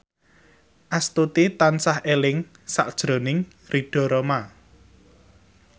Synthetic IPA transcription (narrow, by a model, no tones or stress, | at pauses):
ʔast̪ut̪it̪ansahelɪŋ | sa̰ʔd̥ʒ̥ɾo̤nɪŋ | riɖ̥ɔ̤ɾoma